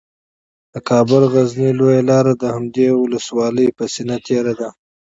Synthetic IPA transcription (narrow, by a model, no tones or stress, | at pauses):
d̪̥əkʰɑbʊlɣaznilojalɑɾad̪əhamd̪ewʊləswɑləjpəsinat̪ʰeɾad̪a